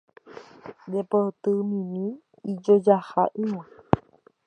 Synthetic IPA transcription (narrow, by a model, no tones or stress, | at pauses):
depot̪ɨmĩnĩ | id͡ʒod͡ʒaha̰ʔɨwã